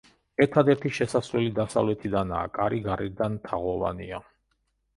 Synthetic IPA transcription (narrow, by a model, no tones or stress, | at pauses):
ɛɾt̪ʰad̪ɛɾt̪ʰiʃɛsasvlɛlid̪asavlɛt̪ʰid̪ana̰ːkʼaɾiɡaɾiɾd̪anmt̪ʰaʁɔva̰nia